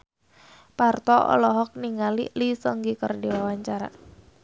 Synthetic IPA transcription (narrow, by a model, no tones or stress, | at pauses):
part̪ɔɔ̰lɔɦɔk̚niŋalḭlisəŋɡikərdiwawaɲt͡ʃaɾa̰